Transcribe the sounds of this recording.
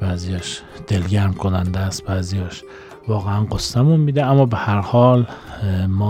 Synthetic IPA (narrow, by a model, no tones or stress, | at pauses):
b̥æːzijɒːʃ | d̪̥elɟæɾmkʰonænd̪æːst̪̚bæːzijɒːʃ | vɒːɣeænɢosːæmunmiːd̪eæmːɒːbehæɾhɒːl | mɒː